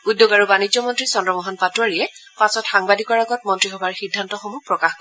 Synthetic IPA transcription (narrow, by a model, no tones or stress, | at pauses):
udjoɡaɹubanid͡ʒzɔmɔntɹisɔndɹɔmɔɦanpatuwaɹijɛpasɔtxaŋbadʱikɔɹaɡɔt̚mɔntɹixɔbaɹxidʱːantɔxɔmupɹɔkaxkɔ